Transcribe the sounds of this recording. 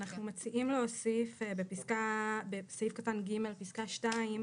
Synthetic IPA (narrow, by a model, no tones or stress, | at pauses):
naχnumot͡siʔimleosifbepiskabesoifkatanɡime̞lpiskaʃtaim